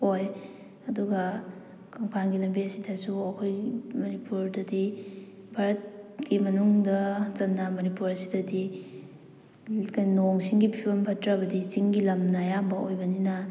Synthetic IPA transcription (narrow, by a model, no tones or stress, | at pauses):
oj | ɐduɡɐ | kʰɐŋpʰanɡilɐmbiɐsidɐsuɐkʰojmɐnipuɾdɐdi | bʱaɾɐt̚ɡimɐnuŋdɐzɐnːɐmɐnipuɾɐsi̥dɐdi | kajnoŋsiŋɡipʰibɐmpʰɐtɾabɐdit͡ʃiŋɡilɐmnɐjambɐojbɐninɐ